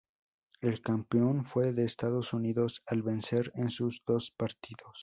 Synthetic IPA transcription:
e̞lkampeo̞nfwe̞ðe̞ːst̪aðo̞suniðo̞salβe̞nse̞ɾensuzðo̞spaɾt̪iðo̞s

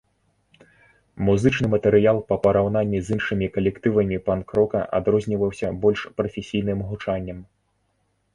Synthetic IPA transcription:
muzɨt͡ʂnɨmɐt̪ɛɾɨjalˠpɐpɐɾawn̪anʲːizʲɨnʂɨmʲikɐlʲɛkt̪ɨvɐmʲipankɾɔkɐ̰ʔa̰d̪ɾɔzʲnʲivɐwsʲɐbɔlʲʂpɾɐfʲesʲijn̪ɨmɣut͡ʂanʲːɐm

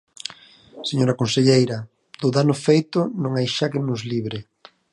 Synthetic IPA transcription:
seɲoɾɐkonseʎejɾɐ | d̪ʊðanʊfejt̪ʊnõŋajʃakɪnʊzliβ̞ɾɪ

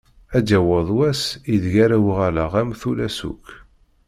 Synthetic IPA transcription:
æd͡ʒæwəðˤwæsiðʝaɾæwʁalaʁæmθulæsṵk

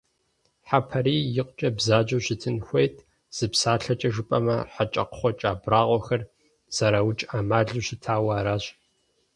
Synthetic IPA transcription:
ħapʰɐɾiːjɪqʷʼt͡ʃʼɐbzaːd͡ʒɐɕɪtʰɨnxʷejtʰ | z̥ɨpsaːɬɐt͡ʃʼɐʒɨpʼɐmɐ̰ħat͡ʃʼɐ̰qə̥χʷɔt͡ʃʼaːbraːʁʷɔxɐr | z̥ɐɾawʊt͡ʃʼaːmaːɮuɕɪtʰaːwaːɾaːɕʼ

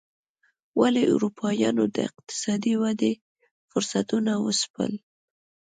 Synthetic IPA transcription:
waleʔṵɾupʰɑjɑnod̪ə̰ɪq̚t̪ɪ̥sɑd̪iwad̪e | fʊɾsat̪unawə̰spə̰l

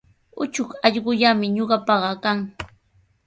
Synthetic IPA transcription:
ʊt͡ʃʊkɑʎɢʊʎamɪɲoɢɑpɑɢɑkaŋ

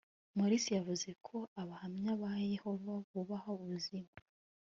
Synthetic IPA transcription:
moɾisijavuze̞kʰo̞aβahamɲaβahejeho̞vaβuβahouβuzima

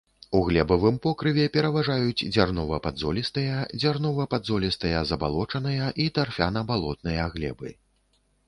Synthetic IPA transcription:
uɣlʲɛbɐvɨmpɔkɾɨvʲɛpʲɛɾɐvaʐajut͡sʲd͡zʲarnɔvɐpad̪zɔlʲist̪ɐjɐd͡zʲarnɔvɐpad̪zɔlʲist̪ɐjɐzɐba̰lˠɔt͡ʂɐnɐjɐʔit̪arfʲa̰nɐbalˠɔt̪̚nɨjɐɣlʲɛ̰bɨ̰

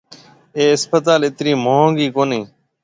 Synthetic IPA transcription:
eːɪspət̪aːlɪt̪ɾiːmoːõːŋɡiːkoːniː

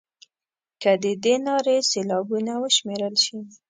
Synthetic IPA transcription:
kəd̪əd̪enɑɾeselɑbunawəʃmeɾəlʃi

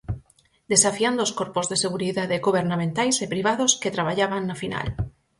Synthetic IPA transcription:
d̪esafiand̪ooskoɾpozðeseɣ̞uɾiðaðeɡoβ̞eɾnamẽnt̪ajsepɾiβ̞að̞osket̪ɾaβ̞aʎaβaŋːafina̰l

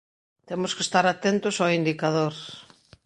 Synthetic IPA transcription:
t̪emʊskest̪aɾat̪ɛnt̪ʊsoind̪ikaðoɾ

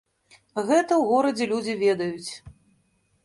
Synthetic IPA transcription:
ɣɛt̪ɐwɣɔɾɐd͡zʲɛlʲud͡zʲivʲɛd̪ɐjut͡sʲ

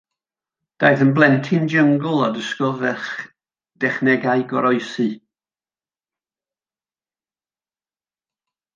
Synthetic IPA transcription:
d̥aɨðənblˠɛntʰɪnd͡ʒəŋɡʊlˠadəskɔvɛχ | d̥ɛχnɛɡaɨɡɔ̰ɾɔɨsɨ

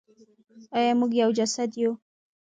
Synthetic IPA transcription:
ajɑmuɡjawd͡ʒasad̪ju

